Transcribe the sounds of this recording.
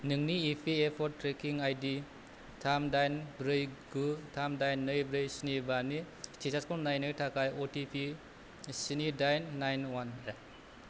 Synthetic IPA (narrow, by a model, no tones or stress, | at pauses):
nɯŋniːpʰiepʰɔɾtːɾekiŋajdi | tʰamdajnbɾɯjɡutʰamdajnːɯjbɾɯjsinibani | stʰesaskɔlnajnɯtʰakʰajotipʰi | sinidajnːajnwanet